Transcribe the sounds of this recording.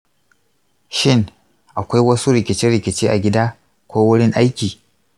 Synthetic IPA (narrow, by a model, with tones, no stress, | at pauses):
ʃɪ˦ŋ | ʔa˨kʷa˦jwɐ˦su˦ɾɪ˨kʲɪ˨t͡ʃɪ˦nɽɪ˨kʲɪ˨t͡ʃeː˦ʔa˨ɡʲɪ˦daː˦ | kʷoː˦wʊ˦ɽɪ˦ŋʔa˦jkʲiː˨